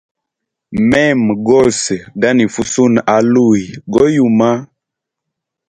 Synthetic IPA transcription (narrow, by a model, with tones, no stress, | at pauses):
mɛ˦˨m˨ɡɔ˦˨sɡa˦ni˨fu˨su˦na˨˦lu˦˨i˨ɡɔ˦ju˨ma˦